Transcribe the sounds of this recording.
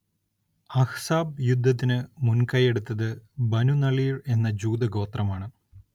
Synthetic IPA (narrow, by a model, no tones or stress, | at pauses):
ɐhsaːb̚jud̪ʱːɐt̪̬ːinɨmunkɐje̞ɽut̪ːɐðɨbɐnunɐɭiːre̞nːɐd͡ʑuːd̪ɐɡo̞ːt̪rɐmaːɳɨ